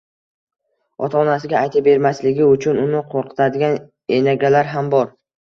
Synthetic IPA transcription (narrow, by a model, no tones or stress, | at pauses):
ɒ̰t̪ʰaːnasɪɡʲaʔajt̪ʰabe̞ɾmaslɪɡʲɪʊt͡ʃʰʊnʊnɪqʰoɾqʰɨ̥t̪ʰad̪ɪɡʲan | enaɡʲalaɾɦambɒɾ